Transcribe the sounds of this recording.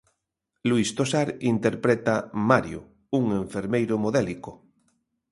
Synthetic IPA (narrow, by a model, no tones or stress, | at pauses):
luist̪osaɾint̪eɾpɾet̪amaɾjo̰ | uŋeɱfeɾmejɾomoðeliko